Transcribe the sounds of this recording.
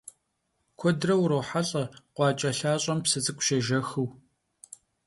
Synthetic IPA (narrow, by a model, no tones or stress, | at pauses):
kʷʰɔdrɐwɾɐwħaɬʼɐqʷɑːt͡ʃʼɐɬaːɕʼɐmpsɨt͡sʼɨkʷʼʊ̥ʃɐʒɐxɨw